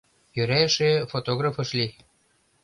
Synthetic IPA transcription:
jøɾæʃefot̪oɣrafɤ̆ʃlʲi

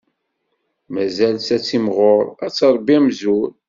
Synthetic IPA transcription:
mæzælsæt͡sːimʁoɾˤæt͡sːɑɾˤbiæmzʊɾ

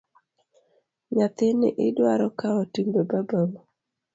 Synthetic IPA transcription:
ɲat̪ɪnɪ̰ʔɪdwaɾɔkaotimbebabamo

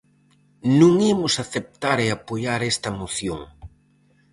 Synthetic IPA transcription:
nũŋemʊsaθep̚t̪aɾeapojaɾɛst̪ɐmoθjoŋ

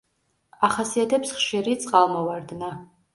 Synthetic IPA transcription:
aχasiatʰɛpʰsχʃiɾit͡sʼqʼalmawardna

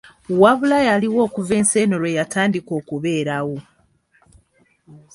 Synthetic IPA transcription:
waβulajaliwo̞ːkuve̞ːnse̞ːnoɾwe̞jataːndiko̞ːkuβe̞ːɾawo̞

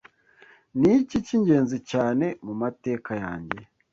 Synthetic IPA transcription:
niciciɲɟe̞ːnzicaːne̞mumate̞ːkaja̰ːɲɟe̞̰

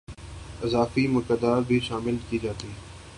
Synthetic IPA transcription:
ɪzaːfimʊkəd̪aːɾbʱiʃaːmɪlkiːd͡ʒaːt̪iː

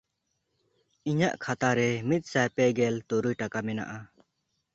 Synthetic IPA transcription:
iɲaʔkʰat̪aɾɛmit̪̚ˀsajpɛɡɛlt̪ɔɾujʈakamɛna̰ʔa

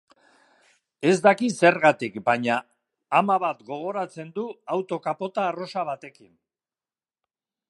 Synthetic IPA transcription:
e̞zd̪akise̞ɾɣat̪ikbaɲaː | maβat̪ɡo̞ɣ̞o̞ɾat͡se̞nd̪uawt̪o̞kapo̞t̪aːro̞saβ̞at̪e̞kin

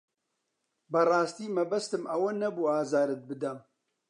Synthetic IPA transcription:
bɐrˤɑːst̪iːmɐbɐst̪ɨmʔɐwɐnɐbuːaːzaːɾɨt̪̚bɨd̪ɐm

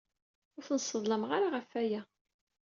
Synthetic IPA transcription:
ʊɾθnsˤːəðˤləmʁaɾaʁəfæjæ

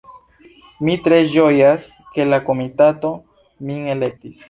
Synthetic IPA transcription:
mitɾe̞ʒojas | ke̞lako̞mitato̞ | miele̞k̚tis

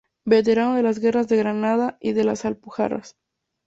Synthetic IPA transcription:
be̞t̪̬e̞ɾanoðe̞lazɣe̞razðeɣɾanaðaiðe̞lasalpuxa̰ra̰s

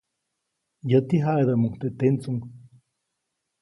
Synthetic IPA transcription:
jət̪iɦaʔed̪amuŋt̪et̪ent͡suŋ

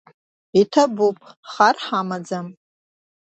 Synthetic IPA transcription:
itʰabupʼχarħamad͡zam

